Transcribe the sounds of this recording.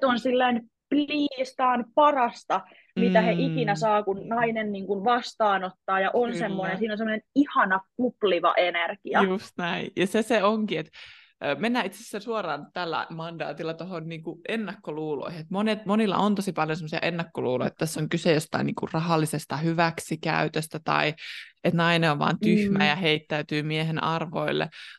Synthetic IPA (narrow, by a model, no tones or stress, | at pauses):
t̪onsilːein | pliːst̪ɑːnpɑrɑst̪ɑ | mit̪æheʔikinæsɑːkunnɑinenniːŋkunʋɑst̪ɑːnot̪ːɑːjɑʔonssemːoinensiːnonsemonenihɑnɑkupliʋɑ̰ʔenerkiɑjust̪næijɑseseoŋkiet̪ː | menːæːit̪sessːensuorɑːnt̪ælːæ̰mɑndɑ̰ːt̪ilːɑt̪ohonniːŋkuʔenːɑkːoluːlo̰ihiet̪monet̪monilːɑ̰ʔont̪osipɑljonsemːosiɑ̰ʔenːɑkːoluːlo̰ijḛt̪t̪æsːoŋkysejost̪ɑ̰inḭːŋkṵrrɑhɑlːisest̪ɑhyʋæksikæ̰yt̪øst̪æt̪ɑ̰iet̪nɑineoʋʋɑ̰ːnt̪yhmæjɑheit̪ːæyt̪yːmiehenɑrʋo̰ilːḛ